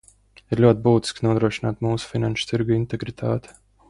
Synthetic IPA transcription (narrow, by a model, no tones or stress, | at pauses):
iɾlʲuɔt̪ʲbuːt̪i̥sknuɔd̪ɾuɔʃinaːt̪muːsu̥finanʃʊ̥t̪iɾɡuint̪ɛɡɾit̪ʰaːt̪ɛ̥